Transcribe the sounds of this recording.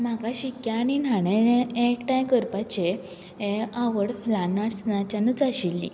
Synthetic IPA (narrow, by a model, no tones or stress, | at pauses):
m̤akaɕikjaːɽ̃inaɽ̃ẽekʈãjkəɾpat͡ɕe | eaʋəɽflanaɽsnat͡ɕanut͡saɕilːḭ